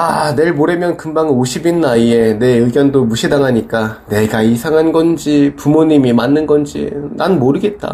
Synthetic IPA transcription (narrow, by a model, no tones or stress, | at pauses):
ane̞ɭmoɾe̞mjʌnkɯmbaŋɯnoɕʰibinːaie̞ne̞ɯɡjʌndomuɕʰidaŋɦaɲik͈ane̞ɡaisʰaŋɦanɡʌnd͡ʑipumoɲimimanːɯnɡʌnd͡ʑḭnanmoɾɯɡe̞t̚t͈a̰